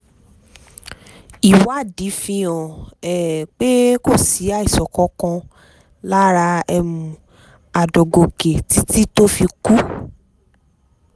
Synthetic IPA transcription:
i˨wa˨˦˨di˨˦fĩ˧˦ɔ̃˨ɛ˨k͡pe˦ko˦˨si˨˦a˦˨i˨sɔ˨kɔ˨˦kã˧ | la˦ɾa˧ɛ˧mũ˨ | a˨dɔ˨ɡo˨ke˨ti˦ti˦to˦fi˧ku˦

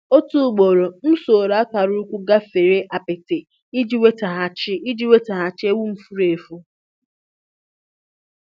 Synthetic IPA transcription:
o˦tu˦˨ɡ͡bo˨ɾo˨m̩˦so˨ɾa˦ta˨ɾʊ˦u˦kʷu˦ɡa˦fe˨ɾe˦ʔa˨pɪ˨te˨ | i˦d͡ʒi˦we˦ta˨ɦa˨t͡ʃɪ˦i˦d͡ʒi˦we˦ta˨ɦa˨t͡ʃɪ˦e˦wu˦m̩˦fu˦ɾe˨fu˦

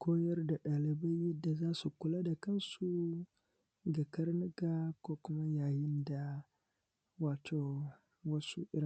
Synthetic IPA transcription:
kʷʰoː˦jɐ˦rda˨ɗaː˨lɪ˨ba˦jːɛ˦dːa˨zaː˦su˨kʷʊ˨laː˦da˨kɐ˦nsu˦ | ɡa˨kɐ˦rnɪ˦ɡaː˦kʷoː˦kʷʊ˦ma˦jaː˨jɪ˦nda˨ | waː˨tʰoː˨ | wɐ˦sṵ˦ʔɪ˦ɾɪ˨

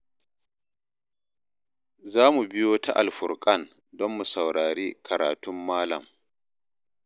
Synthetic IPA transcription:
zaː˦mu˨bɪ˦joː˦ta̰˦ʔa̰˨lɸʊ˨ɾkʼɐ˦˨n | dɔ˦mːu˨sa˨wɽaː˨ɽeː˦kʰɐ˨ɾa̰ː˨tʊ˦mːaː˦lɐ̰˨m

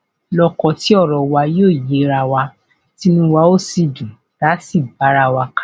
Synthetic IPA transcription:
lɔ˧kɔ˧ti˨˦ɔ˦˨ɾɔ˨wa˧joː˦˨ji˨˦ɾa˧wa˧ | ti˦nũ˦wa˧˦o˦˨si˧˨dũ˨ | d̥a˨˦si˦˨ba˨˦ɾa˧wa˧ka˦

